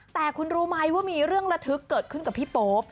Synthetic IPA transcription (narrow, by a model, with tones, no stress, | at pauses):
t̪ɛː˨˩kʰu˧nɾuː˦ma˧jwaː˥˩miː˧ɾɯ˥˩əŋɾa˧t̪ʰɯ˦˥kːɤː˨˩t̪̚kʰɯ˥˩nka˨˩pʰiː˥˩poː˦p̚